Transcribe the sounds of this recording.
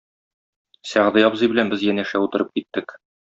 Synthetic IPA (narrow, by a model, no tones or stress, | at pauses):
sæʁd̪ɤjɒbzɤjbɘ̆lænbɘzjænæʃæut̪ɤ̆ɾɤp̚kit̪ːɘk